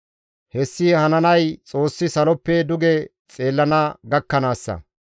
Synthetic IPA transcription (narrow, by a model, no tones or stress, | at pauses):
hɛsːiːhɐnɐnɐjt͡sʼo̞ːsːɪsɐlɔpːɛd̪ʊɡɛ | t͡sʼe̞ːlːɐnɐɡɐkːɐnaːsːɐ̰